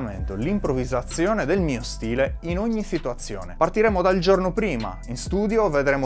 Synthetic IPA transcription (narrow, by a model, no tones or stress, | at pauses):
mḛnt̪olimpɾovizat̪sːjɔːned̪elmiːost̪iːleinoɲːisit̪uat̪sːjɔ̰ːnḛpart̪iɾɛːmod̪aild͡ʒornopɾiːma̰inst̪uːd̪joved̪ɾɛːmo